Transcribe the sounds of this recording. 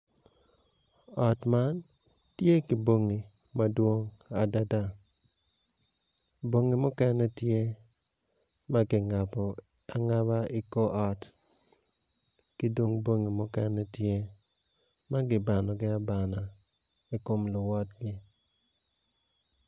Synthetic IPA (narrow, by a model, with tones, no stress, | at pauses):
ɔ˨tma˦n | tje˦ki˨bo˦ŋi˨ | ma˦dwo˦ŋa˨da˦da˦ | bo˦ŋi˨mʊ˦kɛ˦nɛ˦tje˦ | ma˦ɡɪ˨ŋa˨pɔ˨ | a˨ŋa˦βa˦ɪ˦ko˦ʔɔ˦˨t | kɪ˦dwo˦ŋbo˦ŋi˨mʊ˦kɛ˦nɛ˦tje˦ | ma˦ɡɪ˨ba˨nɔ˨ɡɪ˦a˦ba˨na˨ | i˦ko˦mlʊ˨wɔ˦tɡɪ˦